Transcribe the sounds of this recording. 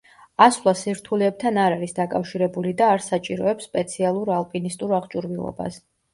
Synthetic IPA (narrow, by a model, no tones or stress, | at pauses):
aslˠasiɾt̪ʰulɛɛb̚t̪ʰanaɾaɾisd̪akʼafʃiɾɛbulid̪aːɾsat͡ʃʼiɾɔɛpsːpʼɛt̪sʰialˠuɾalˠpʼinist̪ʼuɾaʁt͡ʃʼuɾvilˠɔ̰ba̰s